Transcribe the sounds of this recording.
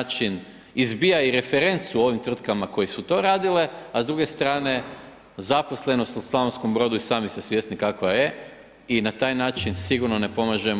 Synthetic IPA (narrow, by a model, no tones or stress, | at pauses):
t͡ʃin | izbijaiɾe̞fe̞ɾe̞nt̪suo̞ːʋimt̪r̩t̪kamako̞jisut̪o̞ːɾaːd̪ile̞azd̪ɾuɡe̞st̪ɾaːne̞ | zapo̞sle̞no̞st̪uslˠaʋonsko̞mbɾo̞ːd̪uisaːmisesʋje̞snikakʋaje̞ | inat̪aːjnaːt͡ʃinsiɡuɾno̞ne̞po̞maʒe